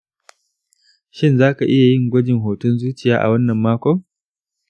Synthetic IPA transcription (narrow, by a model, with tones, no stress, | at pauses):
ʃɪ˦nzaː˦ka˨ʔɪ˦ja˨jɪ˦˨ŋɡʷɐ˦d͡ʒɪ˨ŋɦoː˨tʊ˦nzuː˦t͡ʃɪ˨jaː˦ʔa̰˨wɐ˦nːɐ˨mːaː˦kʷɔ˦ŋ